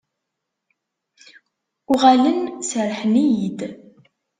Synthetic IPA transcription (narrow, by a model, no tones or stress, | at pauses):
ʊʁalənsəɾħnijid̪